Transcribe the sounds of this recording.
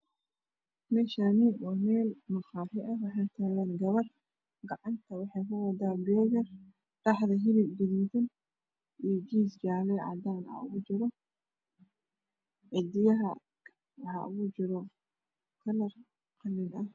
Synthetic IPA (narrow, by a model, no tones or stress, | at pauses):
mɛːʃaːnɪbɔnɛːlmɐxɑːfɛʔɐwɑħɑːjt̪ʰaːlaːnɡɐβɐr | ɡɑʕɑnt̪ʰɐwɑħɑjkɐwɐd̪aːbɛːɣɐr | ɗ̥ɑħðɐɦɪlɪbbɪðint̪ɐn | ʔijd͡ʒiːsd͡ʒaːlɛʕɑ̰d̪aːnɐ̰ʊ̰ɣʊd͡ʒɪɾɔ | ʕɪd̪ɪjɐɦɐ | hɐ̰ʊ̰ɣʊd͡ʒɪɾɔ | kʰɐlɐr | qɐlɪnɐh